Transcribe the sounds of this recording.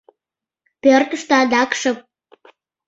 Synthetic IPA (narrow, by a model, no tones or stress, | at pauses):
pørt̪əʃt̪oɑd̪ɑkʃə̆p̚